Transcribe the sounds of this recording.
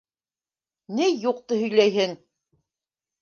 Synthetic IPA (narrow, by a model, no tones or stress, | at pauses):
nɘjuq̚t̪ɤhɵ̆jlæjɦɘŋ